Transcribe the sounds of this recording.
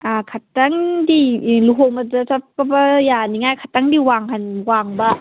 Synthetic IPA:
akʰataŋdiluɦowmɐdɐsap̚kɐbɐjaniŋajkʰataŋdiwaŋɦanwaŋbɐ

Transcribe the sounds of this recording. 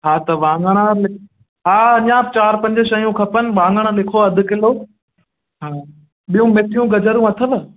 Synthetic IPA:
ɦaːt̪ɐʋãːŋɡəɽ̃alɪkʰ | ɦaːɐɲãːb̚t͡ɕaːɾpɐ̃ɲd͡ʑəʃɐjũkʰɐpən̆ʋãːŋɡəɽ̃əlɪkʰoɐd̪ʱʊ̆kɪloː | ɦaː | ɓijũmeʈijũɡɐd͡ʑʱəɾũɐt̪ʰəʋ

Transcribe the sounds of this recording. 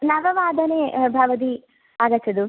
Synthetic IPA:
nɐʋɐʋaːd̪ʱɐnebʱɐʋɐd̪̬i | aːd̪ɐt͡ʃːɐd̪u

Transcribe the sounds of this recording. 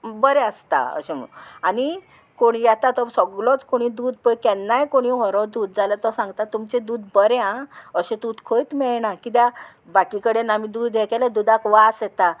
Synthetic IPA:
bəɾɛəst̪a̰ə̰ɕem̰ani | koɽjat̪at̪ɔsɔɡlɔt͡skoɽ̃id̪uːd̪̚pəjkɛnːajkoɽ̃iɦɔɾɔd̪uːd̪̚d͡zalət̪ɔsãŋɡt̪at̪umt͡ɕed̪uːd̪bəɾeãəɕẽd̪ud̪kʰojt̪mɛɭnakit̪̬ja | bakikəɽenamid̪uːd̪ːɛkʰalad̪ud̪akʋasɛt̪a

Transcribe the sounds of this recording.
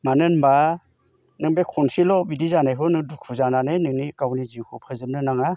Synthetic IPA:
manɯnba | nɯŋbekʰɔnsilɔbidizanakʰɯnɯŋdukʰuzananenɯŋnikawniziwkʰɯpʰɯzɯp̚nɯnaŋa

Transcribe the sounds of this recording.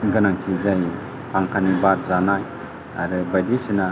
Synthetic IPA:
ɡɯnaŋt͡ʃʰid͡ʒaj | pʰaŋkʰanibat̪̚zanaj | a̰ɾɯbajdisina

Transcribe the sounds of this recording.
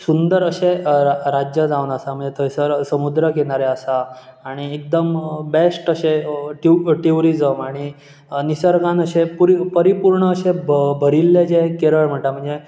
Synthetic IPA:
sund̪əɾəɕeɾad͡ʑjəd͡zaunəsam̤əɳd͡zet̪ʰəjsəɾsəmud̪ɾəkeɽ̃aɾeəsaːɽ̃iek̚d̪əmbesʈəɕeʈʈiuɾid͡zəmaɽ̃i | nisəɾɡãnəɕepuɾpəɾipuɾɳəːɕebʱəɾilːed͡zekeɾəɭm̤əɳʈam̤əɳd͡ze

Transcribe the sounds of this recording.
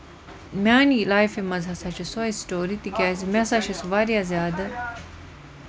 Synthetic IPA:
maːnilaːjfimɐzɦɐsat͡ʃʰisoisʈoːɾit̪ikʲaːzmesaʃɐsuʋaːɾjazjaːd̪ɐ

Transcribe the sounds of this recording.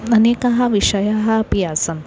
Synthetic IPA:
ɐneːkɐɦɐʋiʂɐjɐɦɐɐpijaːsɐm

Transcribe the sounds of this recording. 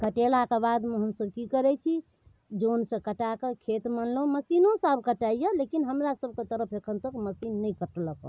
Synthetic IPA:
kəʈelakebad̪meɦəmsəb̚kikəɾɛt͡ʃʰi | d͡ʒonsə̃kəʈakekʰet̪mənlməsinõsabʱkəʈaijəlekinɦəmɾasəb̚ʱket̪əɾəpʰekʰənt̪əkməsinːəjkəʈləkə̰

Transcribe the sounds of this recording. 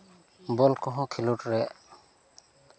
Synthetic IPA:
bɔlkɔɦɔ̃kʰiluʈɹɛʔ

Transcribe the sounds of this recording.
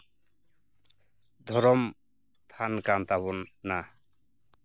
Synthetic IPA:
d̪ʱɔɾɔm | t̪ʰankant̪aβɔnːa

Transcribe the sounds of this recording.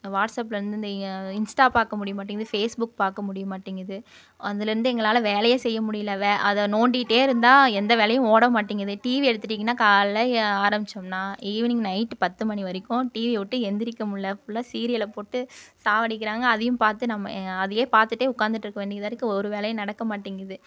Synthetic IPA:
ʋaːʈsɐpːɪlɐɾɯnd̪ɯɪnd̪ɐɪnsʈaːpaːɾkɐmʊɽɪjɯmaːʈ̬ːiŋɡɐðɯfeːsbʊk̚paːɾkɐmʊɽɪjɯmaːʈːiŋɡɾɐðɯ | ɐðɪlɐɾɯnd̪ɯɛŋɡɐɭaːlɐʋeːlɐjɐsɛjːɐmʊɽɪjɪlːɐʋeʔɐðɐnoːɳɖiɪʈːeːɪɾɯnd̪ãːɛnd̪ɐʋeːlɐjʊ̃oːɽɐmaːʈːiːŋɡɾɐðɯʈiːʋiɛɽɯt̪ːɯʈːiːŋɡɐnːaːkaːllɐaːɾɐmbɪt͡ʃːɐmnãːiːʋɐnɪŋnɐɪʈːpɐt̪ːɯmɐniʋɐɾɪkːʊ̃ʈiːʋiʋɔʈːɯɛnd̪ɪɾɪkːɐmʊɭːɐpʊlːaːsiːɾɪjɐlɐpoːʈːɯsaːʋɐɽɪkːɪɾaːŋɡɐːðɐjɯ̃mpaːɾt̪ɯnɐmːɐ̰ɐðɐjeːpaːɾt̪ɯʈːeːʊkːaːnd̪ɯʈːɪɾɯkːɐʋeːɳɖɪðaːɾɯkːɯɔɾɯʋeːlɐjɐ̃nɐɽɐkːɐmaːʈːiːŋɡɾɐðɯ

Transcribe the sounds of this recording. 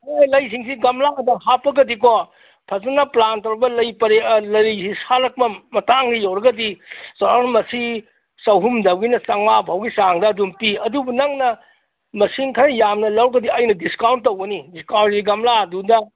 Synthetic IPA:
elɐjs̬iŋsiɡɐmlaɐdɐhapːɐɡɐdiko | pʰɐzɐnɐplantɐwɾɐbɐlɐjpɐɾelɐɾisisalɐk̚mɐmɐtaŋɡijowɾɐɡɐdisaɾaɾmɐsi | sɐwɦumdɐbɡinɐsɐŋmabʱawɡisaŋdɐːdumpiɐdubunɐŋnɐ | mɐsinkʰanɐjamnɐlɐwɾɐɡɐdiɐjnɐdiskawnt̚ːɐwɡɐnidiskawntsiɡɐmladudɐ

